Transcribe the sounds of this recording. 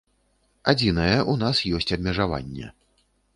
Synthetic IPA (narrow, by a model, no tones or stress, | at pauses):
ad͡zʲinɐjɛʔunasjɔsʲt͡sʲɐbmʲɛʐava̰nʲːɛ̰